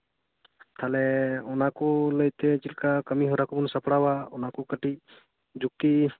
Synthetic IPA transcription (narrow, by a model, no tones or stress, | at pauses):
t̪ʰalɛɔnakuləjt̪ɛd͡ʒilkakəmiɦɔɾakubunsapɽawaɔnakukəʈi | d͡ʒuk̚t̪i